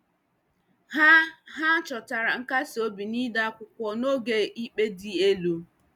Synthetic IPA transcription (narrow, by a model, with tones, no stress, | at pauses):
ɦa˦ɦa˦t͡ʃɔ˨ta˨ɾa˨ŋ̩˦ka˦sɪ˨o˦bi˨ni˦da˦kʷʊ˨kʷɔ˨no˦ɡe˨ʔi˦k͡pe˦di˦e˦lu˦